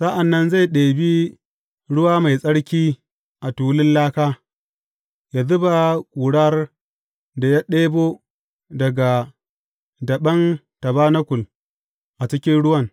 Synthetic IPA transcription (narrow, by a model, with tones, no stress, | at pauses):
sa˦ʔa˨nːɐ˦nza˦˨jɗeː˨bi˦ | ɽʊ˦waː˦ma˨jsʼɐ˦ɽkʲiː˦ | ʔa˨tuː˨˦lɪ˦nlaː˦kaː˦ | ja˨zʊ˦ba˨kʷʼuː˨ɽa˦r | da˨ja˦ɗeː˦boː˦ | dɐ˨ɡa˨ | dɐ˨ɓɐ˦n | tɐ˨baː˦na˦kʷʊ˨l | ʔa˨t͡ʃɪ˦kʲɪ˦nɽʊ˦wɐ˦˨n